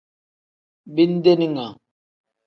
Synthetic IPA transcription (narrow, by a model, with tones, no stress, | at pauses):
bi˦n˦d̪e˦ni˦ŋa˨